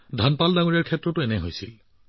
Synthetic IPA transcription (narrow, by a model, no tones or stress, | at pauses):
dʱanpaldaŋuɹɛɹkʰɛtːɹɔtʊɛnɛɦojsil